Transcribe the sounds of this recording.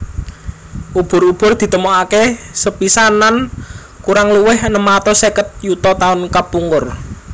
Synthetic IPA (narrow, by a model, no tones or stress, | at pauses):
ʔub̥ʊ̤ɾub̥ʊ̤rd̪̥i̤t̪əmoakesəpisanan | kuɾaŋluwɪhnəmat̪ɔsekət̪̚jut̪ɔt̪aʊnkapuŋɡʊr